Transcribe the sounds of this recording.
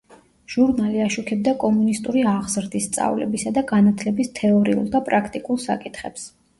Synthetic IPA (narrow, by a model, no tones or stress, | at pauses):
ʒ̥uɾnaliaʃukʰɛb̚d̪akʼɔmunist̪ʼuɾiaʁzɾd̪ist̪sʼa̰vlɛ̰bisad̪aɡanat̪ʰlɛbist̪ʰɛɔɾḭṵlˠd̪apʼɾakʰt̪ʼikʼulˠsa̰kʼit̪ʰχɛps